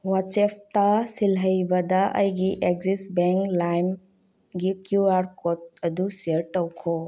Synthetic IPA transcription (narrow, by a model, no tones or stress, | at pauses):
wat͡ʃept̪asilɦəjbad̪aʔə̰jɡiʔekzisbeŋklajm | ɡikjuaɾkɔt̪̚əd̪usiəɾʈəwkʰɔ